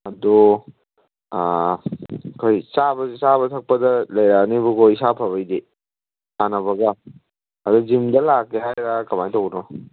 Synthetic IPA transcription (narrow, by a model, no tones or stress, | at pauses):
ɐdɔ | kʰojsabɐzisaβɐtʰɐk̚pɐdɐlɐjɾanibuɡojsapʰaβɐjde | sanɐbɐɡɐː | dɔzimdɐlakːeɦajɾakɐmajtowɡnɔ